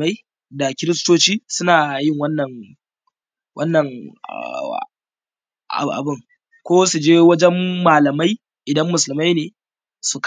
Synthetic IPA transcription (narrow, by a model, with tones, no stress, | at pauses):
ma˦j | da˨kʲɪ˦ɾɪ˦stoː˦t͡ʃiː˦sʊ˦naː˨jɪ˦˨ŋwɐ˦nːɐ˨ŋ | wʔɐ˦nːɐ˨ŋ̰ | ʔʔa̰˨bɪ˦ŋ | kʷoː˦su˨d͡ʒeː˦wɐ˦d͡ʒɛ˦mːaː˨lɐ˨ma˦j | ʔɪ˨dɐ˦mːʊ˨s̬ʊ˨lɪ˨ma˦jneː˨ | su˨k